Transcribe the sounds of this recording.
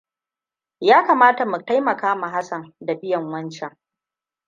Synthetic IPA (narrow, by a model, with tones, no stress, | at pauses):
jaː˦kaː˨maː˦ta˨mu˨ta˦jmɐ˨kaː˦ma˨ɦa˦sɐ˨nda˨bɪ˦jɐ˨ŋwɐ˦nt͡ʃɛ˦ŋ